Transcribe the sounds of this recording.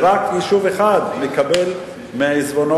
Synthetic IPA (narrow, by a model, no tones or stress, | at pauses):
ɾakjiʃuveχad̪nekabel | meʕizbono